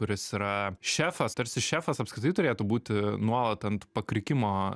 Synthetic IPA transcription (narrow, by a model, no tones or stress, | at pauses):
kʊɾʲɪsiːɾɐʃʲæːfɐst̪ɐɾʲsʲɪʃʲæːfɐsɐpskɾʲɪt̪ɐɪt̪ʊɾʲeːt̪ʊbuːt̪ʲɪnuɔlˠɐt̪tɐnt̪pɐkɾʲɪkʲɪmoː